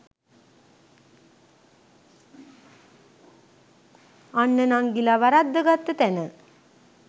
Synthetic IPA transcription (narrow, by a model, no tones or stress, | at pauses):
anːənaŋɡilaʋaɾad̪ːəɡat̪ːət̪ænə